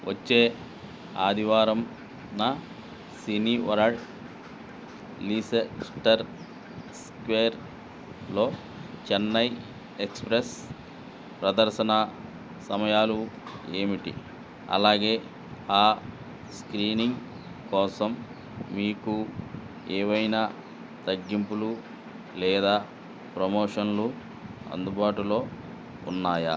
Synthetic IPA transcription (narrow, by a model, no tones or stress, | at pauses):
ʋɐ̰t͡ʃːeː | a̰ːd̪ʱiʋaːɾɐm | nɐ | siniʋɐ̰ɾaɖ | liseksʈɐɾ | skʋeːɾ | lo̞ː | t͡ʃɛnːɐj | ekspɾes | pɾɐd̪ɐɾsɐnɐ | sɐmɐjaːlueːmiʈḭ | ɐ̰laːɡe̞ː | aː | skɾiːniŋɡ | kɔːsɐmː | iːku | ɛːʋɐjna | t̪ɐɡːimpulu | lɛːd̪aː | pɾɐmoːʂɐnlu | ɐ̰nd̪ubaːʈulo̞ː | ṵnːaːjɐ̰